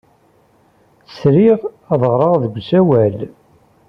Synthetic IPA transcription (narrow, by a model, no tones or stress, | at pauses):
θə̥sɾiʁ | ɑðˤʁɾˤɑʁðəɡʷsæwæl